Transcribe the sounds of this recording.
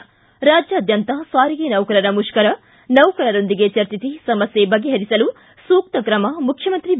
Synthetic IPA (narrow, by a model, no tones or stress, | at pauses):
ɾaːd͡ʒjɐːd̪ʱjɐnt̪ɐsaːɾiɡenɐwkɐɾɐɾɐmuʃkɐɾɐ | nɐwkɐɾɐɾo̞nd̪iɡet͡ʃɐɾt͡ʃit̪isɐmɐsjebɐɡeɦɐɾisɐlu | suːk̚t̪ɐkɾɐmɐmukʰjɐmɐnt̪ɾi